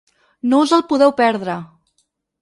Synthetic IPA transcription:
nouzəlˠpuðɛwpɛɾðɾə

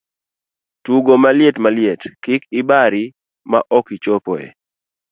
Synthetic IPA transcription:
tuɡomaljetmaljetkɪkɪbaɾi | ma̰ʔɔkit͡ʃopɔ̰ḛ

